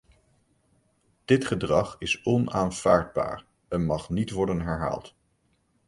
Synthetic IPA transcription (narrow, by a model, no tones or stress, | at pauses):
d̥ɪtχədrɑχɪsɔnaːnv̥aːɹd̚ba̰ːɹ | ɛnmɑχnitʋɔɹdənɦɛɹɦa̰ːlˠt